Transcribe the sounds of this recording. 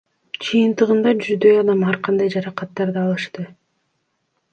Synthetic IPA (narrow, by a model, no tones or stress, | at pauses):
d͡ʒɯjɯnt̪ɯʁɯnd̪ɑd͡ʒyzd̪ø̞jɑd̪ɑmɑɾqɑnd̪ɑjd͡ʒɑɾɑqɑt̪ːɑɾd̪ɯɑlˠɯʃt̪ɯ